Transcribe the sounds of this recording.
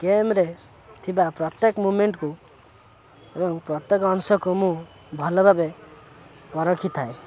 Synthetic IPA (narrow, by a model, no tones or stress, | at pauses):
kemɾe | t̪ʰibapɾɔt̪jekmumeɳʈku | ebɔŋpɾɔt̪jekɔnsɔkumũ | bʱɔlɔbʱabe | pɔɾɔkʰit̪ʰae